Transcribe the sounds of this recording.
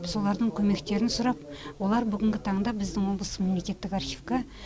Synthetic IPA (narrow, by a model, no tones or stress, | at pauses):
pso̞lˠɑɾd̪əɴkʲʰɵme̞kt̪e̞ɾɪnsʊɾɑp̚wo̞lˠɑɾbʏɡʲɪŋɡʲɪt̪ʰɑɴd̪ɑbɪzd̪ɪŋwo̞blˠəsəme̞mle̞kʲe̞t̪ːɪkɑɾxʲivkɑ